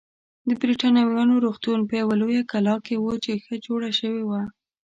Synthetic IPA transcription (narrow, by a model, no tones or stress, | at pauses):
d̪əbɾiʈɑnɑwjɑnoɾoxt̪unpəjawalojakalɑkewot͡ʃexəd͡ʒoɽaʃəwewa